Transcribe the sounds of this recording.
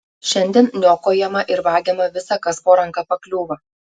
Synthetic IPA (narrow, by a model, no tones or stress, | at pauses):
ʃʲɛnʲd̪ʲɛːnnʲoːkoːjɛmɐʔɪɾʋɑːɡʲɛmɐʋʲɪsɐkɐspoːɾɐŋkɑpɐklʲuːʋɐ